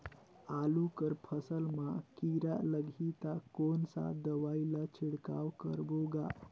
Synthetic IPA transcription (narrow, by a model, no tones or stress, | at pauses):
alukəɾpʰəsəlmakiɾaləɡʱit̪akonsa̰d̪əʋailat͡ʃʰiɽka̰wkəɾboɡa